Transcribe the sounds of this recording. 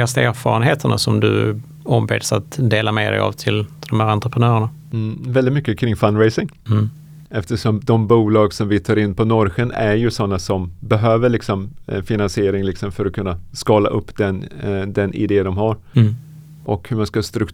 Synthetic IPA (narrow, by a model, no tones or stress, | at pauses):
ast̪æːɾfɑ̰ːɾənɦeːt̪ʰəɳa̰sɔmd̪ɵ̰ | ɔmbḛːd̪sat̪d̪eːlamḛd̪ɛ̰ja̰vt̪ʰɪlt̪ʰɪld̪ɔmhæːɾant̪ɾəpɾənœːɾəɳa | vɛld̪ɪt̪mʏkːəkʰɾɪŋːfanːɾejsɪŋ | ɛft̪əʂɔmd̪ɔmbuːlɑːɡsɔmvɪt̪ʰɑːɾɪnːpʰɔnɔɾɧənæɾjɵsɔnːasɔmbɛɦøːvəɭɪksɔmfɪnansɪeːɾɪŋlɪksɔmfœɾɔkʰɵnːaskɑːla̰ʔɵpːd̪ɛnd̪ɛnʔɪ̰d̪eːd̪ɔmɦaɾ | ʔɔkhɵɾmanskast̪ɾɵk